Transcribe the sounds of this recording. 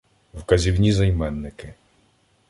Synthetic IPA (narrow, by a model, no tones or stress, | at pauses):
wkɐzʲiwnʲizɐjmɛnːɪkɪ